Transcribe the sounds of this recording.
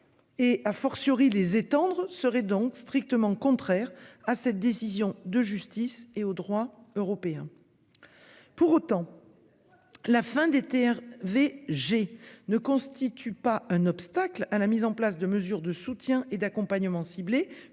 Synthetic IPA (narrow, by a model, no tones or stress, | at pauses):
eafɔʁsəʁilezet̪ɑ̃d̪ʁəsəʁɛd̪ɔ̃kst̪χik̚t̪əmɑ̃kɔ̃t̪χɛʁasɛt̪̚d̪esizjɔ̃d̪əʒyst̪iseod̪ʁwaøʁɔpeɛ̃ | puʁot̪ɑ̃ | lafɛ̃d̪et̪eɛʁveʒenəkɔ̃st̪it̪ʰypaɛ̃nɔpst̪aklalamizɑ̃plasd̪əməzyʁd̪əsut̪jɛ̃ʔed̪akɔ̃paɲəmɑ̃sible